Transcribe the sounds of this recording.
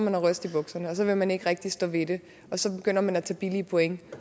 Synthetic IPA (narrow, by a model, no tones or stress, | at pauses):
mænæʁœsd̥ib̥ɔ̽ɡ̥sɐnəɒ̽sɒ̽ʋe̝lmæne̝ɡ̥ʁɛɡ̥̚d̥isd̥ɔʋe̝ɾ̥e̝ | ɒ̽sɒ̽b̥e̝ɡ̥øn̰ɐmænæt͡sʰɛ̰ːb̥iliəpʰoeŋ